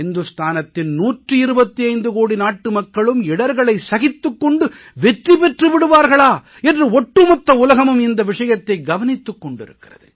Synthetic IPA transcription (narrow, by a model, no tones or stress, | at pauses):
ɪnd̪ɯst̪ʰaːnɐt̪ːɪnnuːʈrɯɪɾɯbɐt̪ːiɐɪnd̪ɯkoːɽinaːʈːɯmɐkːɐɭɯmɪɽɐɾɣɐɭɐɪsɐɣɪt̪ːɯkːɔɳɖɯ | ʋɛʈripɛʈrɯʋɪɽɯʋaːɾɣɐɭaː | ɛndrɯɔʈːɯmɔt̪ːɐʊlɐɣɐmɯmɪnd̪ɐʋɪʂɐjɐt̪ːɐɪɡɐʋɐnɪt̪ːɯkːɔɳɖɪ̰ɾɯ̰kːɪrɐðɯ̰